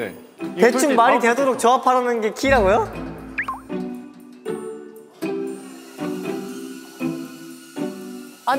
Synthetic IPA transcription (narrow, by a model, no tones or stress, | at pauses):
e̞uŋmaɲite̞doɾok̚t͡ɕʌapʰaɾʌnɯnɡe̞kʰiːɾaɡojo